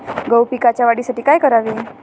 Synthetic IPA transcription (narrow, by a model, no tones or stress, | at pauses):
ɡəwpikat͡ɕjaʋaɽisaʈiːkajkəɾaʋi